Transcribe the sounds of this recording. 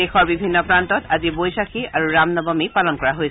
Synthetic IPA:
exɔɹbibʱinːɔpɹantɔtazibojsakʰiaɹuɹamnɔbɔmipalɔnkɔɹaɦoj

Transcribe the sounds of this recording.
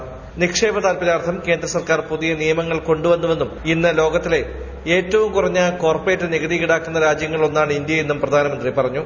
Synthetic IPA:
nikʂe̞ːbɐt̪aːlpɐɾaːrt̪ʰɐmke̞ːnd̪rɐsɐrkaːrpuðijɐnijɐmɐŋːɐɭko̞ɳɖuʋɐnːuʋe̞nːuminːɐlo̞ːɡɐt̪ːile̞ | e̞ːtːɐʋumkurɐɲːɐko̞ːrpeːtːɨniɡɐðikiɽaːkːunːɐɾaːd͡ʑjɐŋːɐɭo̞nːaːɳind̪jɐjenːumprɐd̪ʱaːnɐmɐnd̪ripɐrɐɲːu

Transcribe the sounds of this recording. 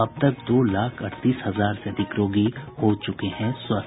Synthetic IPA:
ɐb̚t̪ɐk̚d̪oːlaːkʰɐɽt̪iːsɦɐzaːɾseɐd̪ʱɪkɾoːɡihoːt͡ʃʊkeɦɛ̃sɐ

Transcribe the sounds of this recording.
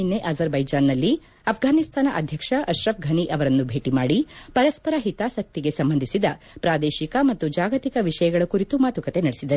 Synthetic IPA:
inːe̞ʔɐzɐɾbɐjd͡ʒaːnːɐlːi | ɐpʰɡʱaːnist̪ʰaːnɐʔɐd̪ʱjɐkʂɐʔɐʃɾɐpɡʱɐniʔɐʋɐɾɐnːubʱe̞ːʈimaːɽipɐɾɐspɐɾaɦit̪aːsɐk̚t̪iɡe̞sɐmbɐnd̪ʱisid̪ɐ | pɾaːd̪eːʃikɐmɐt̪ːud͡ʒaːɡɐt̪ikɐʋiʂɐjɐɡɐɭɐkuɾit̪umaːt̪ukɐt̪e̞nɐɽesid̪ɐɾu

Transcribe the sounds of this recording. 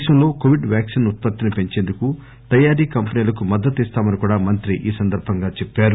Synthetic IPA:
ʃɐmlo̞ːkoʋiɖʋjaːksinut̪̚pɐt̪ːinipe̞ɲt͡ʃe̞ːnd̪uku | t̪ɐjaːɾiːkɐmpɐniːlɐkumɐd̪ːɐt̪ist̪aːmɐnikuːɽaːmɐnt̪ɾiʔiːsɐnd̪ɐɾbʱɐŋɡaːt͡ʃepːaːɾu

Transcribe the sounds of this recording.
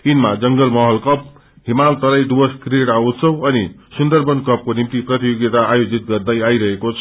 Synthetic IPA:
tinmad͡zʌŋɡʌlmʌɦʌlkʌp̚ | ɦimalt̪ʌɾʌjɖ̪ubʌskreɽawt͡sʰʌwʌnisund̪ʌrbʌnkʌp̚konimt̪iprʌt̪ijoɡjet̪aːjod͡zit̪̚ɡʌrd̪ʌjajɾʌɦekot͡sʰʌ̥

